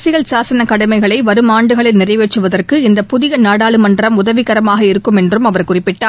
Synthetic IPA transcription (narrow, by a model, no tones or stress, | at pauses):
sɪɣɐɭsaːsɐnɐkɐɽɐmɐɪɣɐɭɐɪʋɐɾɯmaːɳɖɯɣɐɭɪnɪrɐɪʋeːʈːɯʋɐðɐrkɯɪnd̪ɐpʊðɪɣɐnaːɽaːɭɯmɐndrɐmʊðɐʋɪɣɐɾɐmaːɣɐɪɾɯkːɯmɛndrɯmɐʋɐɾkʊrɪpːɪʈːaː